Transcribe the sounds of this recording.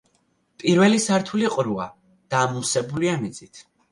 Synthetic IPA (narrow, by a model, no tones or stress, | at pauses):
pʼiɾvɛlisaɾt̪ʰuliqʼɾua | d̪̥aːmusɛbuliamid̪z̥it̪ʰ